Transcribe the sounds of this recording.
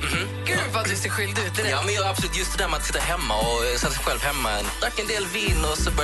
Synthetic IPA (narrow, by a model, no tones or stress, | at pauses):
m̩m̩ː | ɡʉfat̪̚d̪ʉseːɾɧʏld̪ʉ̟ːt̪ɪd̪ɑmɛnjɑabsɔlʉːt̪jɵst̪d̪ɛd̪æːmɛat̪sɪt̪ːaɦɛmːaɔsɛt̪ːasɛjɧɛlvɦɛmːaɛnd̪akːɛnd̪eːlviːnːʊsɔbœ